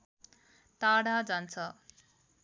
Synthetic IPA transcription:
t̪aɽad͡zant͡sʰʌ

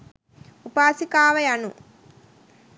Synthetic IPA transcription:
upaːsikaːʋɐjɐnu

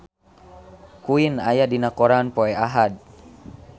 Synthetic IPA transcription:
kuinajadinakɔɾanpɔɛaɦad̪̚

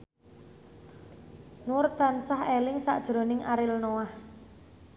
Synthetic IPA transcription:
nʊrt̪ansahelɪŋsa̰ʔd̥ʒ̥ɾo̤nɪŋʔaɾɪlnowah

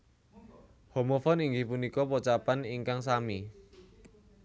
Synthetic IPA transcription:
homofɔniŋɡihpunikɔpɔt͡ʃapaniŋkaŋsami

